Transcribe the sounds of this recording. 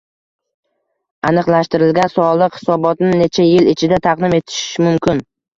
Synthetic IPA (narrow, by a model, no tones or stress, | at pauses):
anɨqlˠaʃt̪ɪɾɪlɡʲansɒlˠɨqhɪ̥sɒbɒt̪nɪne̞t͡ʃʰajɪlɪt͡ʃʰɪd̪at̪ʰɑqd̪ɪme̞t̪ʰɪ̥ʃmʊmkʲɪn